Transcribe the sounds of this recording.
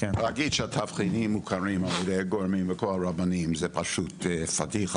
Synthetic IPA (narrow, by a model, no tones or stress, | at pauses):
aɡidʃəatʰafχinimukʰaɹimaljɛdejɡoɹmimvəkʰolaɹabanimzɛpʰaʃutːfatiχ